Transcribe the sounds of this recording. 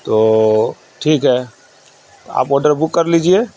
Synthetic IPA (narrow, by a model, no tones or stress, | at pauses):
t̪o | ʈʰiːkɦɛ | t̪oa̰ːpɔːɾɖəɾbʊkːəɾliːd͡ʒie